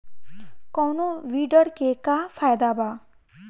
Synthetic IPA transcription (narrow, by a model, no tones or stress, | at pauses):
kɔwnoʋiɖəɾkekafʰajd̪aba